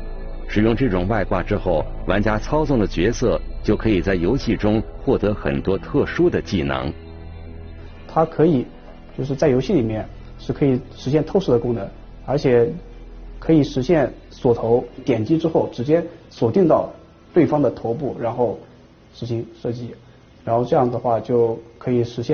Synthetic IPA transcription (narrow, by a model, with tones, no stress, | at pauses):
ʂɻ̩˨˩jʊ˥˧ŋʈ͡ʂɤ˥˩ʈ͡ʂʊ˨˩ŋwa˥˧ɪkwa̰˥˩ʈ͡ʂɻ̩˥xo˥˩ʊ | wa˧˥nt͡ɕja˥t͡sʰɑ˥ʊt͡sʊ˥˩ŋd̪ə˩t͡ɕɥɛ˧˥sɤ˥˩t͡ɕjo˥˩ʊkʰɤ˧˥i˨˩t͡sa˥˩ɪjo˧˥ʊɕi˥˩ʈ͡ʂʊ˥ŋxwɔ˥˩t̪ɤ˧˥xə̰˨˩nt̪wɔ˥t̪ʰɤ˥˩ʂu˥d̪ə˨t͡ɕi˥˩nɑ̰˧˥ŋ | t̪ʰa˥kʰɤ˧˥i˨˩˦ | t͡ɕjo˥˧ʊʂɻ̩˥˧t͡sa˥˩ɪjo˧˥ʊɕi˥˩li˨˩mjɛ˥˧n | ʂɻ̩˥˩kʰɤ˧˥i˨˩ʂɻ̩˧˥ɕ̬jɛ˥˧nt̪ʰo˥˧ʊʂ̩˥d̪ə˩kʊ˥ŋnɤ˧˥n | ə˞˧˥t͡ɕʰjɛ˨˩ | kʰɤ˧˥i˨˩ʂɻ̩˧˥ɕjɛ˥˩nswɔ˨˩t̪ʰo˧˥ʊt̪jɛ˨˩nt͡ɕi˥ʈ͡ʂɻ̩˥xo˥˩ʊʈ͡ʂɻ̩˧˥t͡ɕjɛ˥swɔ˨˩t̪i˥˧ŋt̪ɑ˥˩ʊ | t̪we˥˩ɪfɑ˥ŋd̪ə˨t̪ʰo˧˥ʊp̬u˥˩ɻa˧˥nxo˥˩ʊ | ʂɻ̩˧˥ɕi˧˥ŋʂɤ˥˩t͡ɕi˥˩ | ɻa˧˥nxo˥˧ʈ͡ʂɤ˥˧jɑ˥˩ŋd̪ə˩xwa˥˩t͡ɕjo˥˩ʊkʰɤ˧˥i˨˩ʂɻ̩˧˥ɕjɛ˥˧